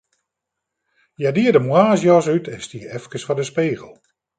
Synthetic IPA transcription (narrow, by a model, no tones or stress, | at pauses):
jadiədəmwaːzjɔs̬ytʰɛnstiəɛfkəsfɔdəspeːɣəlˠ